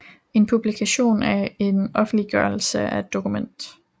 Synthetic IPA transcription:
e̝npʰub̥likʰæɕo̝̰ːnæe̝nɒ̽fn̩liɡ̥ɶɐl̩səæe̝d̥ːo̝kʰumen̰d̥

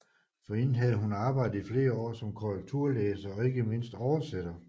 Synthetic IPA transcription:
fɒ̽enn̩ɦæð̞ˠəɦunɑ̈ːb̥ɑ̈ɪ̰d̥ð̩ˠifle̝ːɐɒ̰ːsɒ̽mkʰoʁɛɡ̥t͡sʰuɐ̰leːsɐɒ̽e̝ɡ̥əme̝n̰sd̥ɒʊɐsed̥ɐ

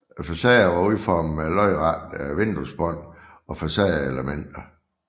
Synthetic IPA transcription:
fæsɛːɐʋɑ̈uð̰ˠfɒːmelɒɪʁɑ̈d̥ʋe̝nd̥usb̥ɒn̰ | ɒ̽fæsɛːɐeləmen̰d̥ɐ

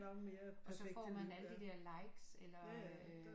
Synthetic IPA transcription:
nɒɡme̝ːɐɒ̽sɒ̽fɒ̰ːmænæləd̥id̥ɛɐlɑ̈ɪɡ̥selɐ

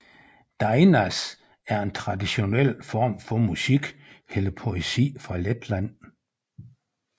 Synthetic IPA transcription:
d̥ɑ̈ɪnæs | æɐe̝nt͡sʰʁɑ̈diɕo̝nel̰fɒːmfɒmusiɡ̥heləpʰo̝esḭːfʁɑ̈led̥læn̰

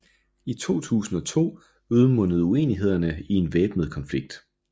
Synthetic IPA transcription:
it͡sʰo̝̰ːt͡sʰṵːsn̩ɒ̽t͡sʰo̝̰ː | uð̞ˠmɔ̽n̰əð̞̩ˠue̝̰ːniɦe̝ð̞̰ˠɐnəie̝nʋeːb̥nəð̞̩ˠkʰɒ̽nfliɡ̥̚d̥

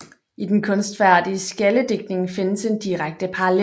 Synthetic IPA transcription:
id̥enkʰɔ̽nsd̥fæɐ̰d̥iəsɡ̥æləd̥e̝ɡ̥̚ne̝ŋfe̝nəse̝nd̥iʁaɡ̥̚d̥əpʰɑ̈ɑle

